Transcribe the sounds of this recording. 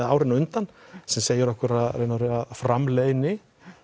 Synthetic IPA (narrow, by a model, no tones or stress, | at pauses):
aːwɾɪnaʏnt̪ansɛmseːjɪɾɔkʏɾaðɾejnaɾɛaðfɾamlejnɪ